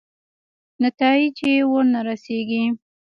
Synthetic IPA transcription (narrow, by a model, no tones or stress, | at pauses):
nat̪ɑit͡ʃewəɾnaɾaseɡi